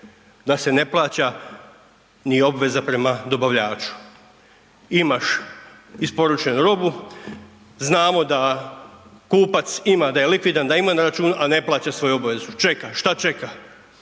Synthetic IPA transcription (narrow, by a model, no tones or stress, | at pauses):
d̪ase̞ne̞plˠaːt͡ɕa | nio̞bʋe̞zapɾe̞mad̪o̞baʋʎaːt͡ʃu̥ | imaʃ | ispo̞ɾut͡ʃe̞nuɾo̞bu | znaːmo̞d̪a | kuːpat̪simad̪aje̞likʋid̪and̪aimanaɾat͡ʃuːnuʔane̞plˠaːt͡ɕasʋo̞juo̞bʋe̞zut͡ʃe̞kaʃt̪at͡ʃe̞ka